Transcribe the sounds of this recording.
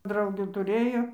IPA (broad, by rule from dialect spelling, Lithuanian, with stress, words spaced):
ˈdrɐʊɡʲuː tʊˈrʲeːjoː